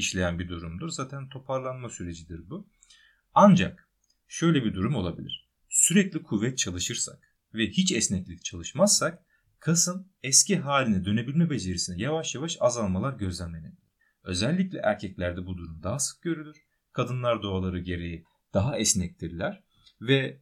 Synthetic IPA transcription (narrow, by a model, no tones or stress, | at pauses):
iʃlʲe̞jænbid̪uɾumd̪uɾzaːt̪ʰænt̪ʰo̞pʰaɾlˠanmasyɾe̞d͡ʒid̪iɾbu | and͡ʒa̰k̚ | ʃø̞jlʲɛbid̪uɾumo̞lˠabilʲḭɾ̥ | syɾɛclʲikʰuvːɛt̪̚t͡ʃʰalˠɯʃɯɾsa̰k | vɛhit͡ʃɛsnɛclʲict͡ʃʰalˠɯʃmazsak̚ | kʰasɯn | ɛscʰiɦaːlʲinɛd̪ø̞ne̞bilʲmɛbe̞ze̞ɾisinɛjavaʃjavaʃazalˠmalˠaɾɟø̞zlʲænmened̪ilʲiɾ | ø̞̰zɛlʲːicʲlʲɛ̰ʔæɾcʰɛclʲæɾd̪ɛbud̪uɾumd̪aɦasɯ̥k̚ɟø̞ɾylʲyɾ̥ | kʰad̪ɯnlˠaɾd̪o̞alˠaɾɯɟe̞ɾejɛ | d̪̥aɦaɛsnɛc̚t̪ʰiɾlʲæɾ̥ | vɛ